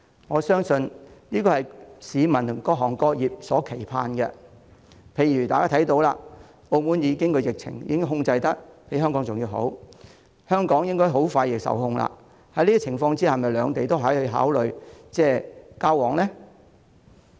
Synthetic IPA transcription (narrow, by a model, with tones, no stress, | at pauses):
ŋɔː˨˧sœː˥ŋsɵ˧nniː˥kɔː˧hɐ˨jsiː˨˧mɐ˨˩nt̪ʰʊ˨˩ŋkɔː˧ɦɔː˨˩ŋkɔː˧jiː˨p̚sɔː˨˥kʰe˨˩jpʰa̰ː˧nɡɛ̰˧ | pʰe˨˧˩jɥyː˨˩t̪aː˨kaː˥t̪ʰɐ˨˥jt̪o˧wlaː˧ | o˧wmuː˨˥njiː˨˧kɪ˥ŋkʰɵ˧jɪ˨k̚t͡sʰɪ̰˨˩ŋjḭː˧˥ŋ˥hʊ˧ŋt͡sɐ˧jt̪ɐ˥k̚pe˨˥ɦœː˥ŋkɔ˨˥ŋt͡sʊ˨ŋjiː˧wɦo̰˨˥w | hœː˥ŋkɔː˨˥ŋjɪ˥ŋkɔː˥jɦo˨˥wfaː˧jɪ˨˧k̚sɐ̰˨˩whʊ˧ŋla̰ː˧ | hɐ˨˥jliː˥t͡sʰɪ˨˩ŋfɔː˧ŋt͡siː˥hɐ˨jmɐ˨˩jlœː˨˧ŋt̪e˨jt̪o˥wɦɐ˨˥hɵ˧ɥɦa̰ː˨˥wlɵ˨ɥt͡sɛː˥˩kaː˥wɔː˨˩ŋlɛː˥